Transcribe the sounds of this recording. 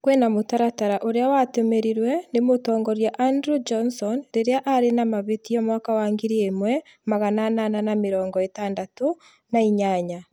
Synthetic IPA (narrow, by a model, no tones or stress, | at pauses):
kwɛnamotaɾataɾaʔoɾeawatemeɾiɾwɛnemotɔːŋɡɔɾjaʔandɾud͡ʒɔnsɔnɾeɾeaʔaɾenamaβetijɔmwaːkawaːŋɡiɾiemwɛ | maɣananananameɾɔːŋɡɔetaːndato | naiɲaɲa